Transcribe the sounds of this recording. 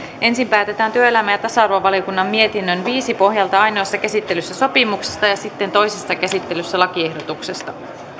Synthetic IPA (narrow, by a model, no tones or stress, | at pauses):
ʔe̞nsimpæːt̪e̞t̪æːnt̪yøelæmæjæt̪ɑsɑɑrʋɑʋɑlijokunːɑmːie̞t̪inːønʋiːsipo̞ɦjɑlt̪ɑɑjnoːsːɑkæsit̪ːe̞lysːæso̞pimukse̥st̪ɑjɑsit̪ːe̞nt̪o̞jsesːɑkæsit̪ːelysːælɑkie̞hdot̪ukse̞st̪ɑ